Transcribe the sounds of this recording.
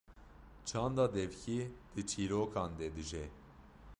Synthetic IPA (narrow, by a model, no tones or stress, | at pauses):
t͡ʃʰɑːnd̪ɑːd̪ɛvcʰid̪̥ɨt͡ʃʰiːɾoːkʰɑːnd̪ɛd̪ɨʒɛ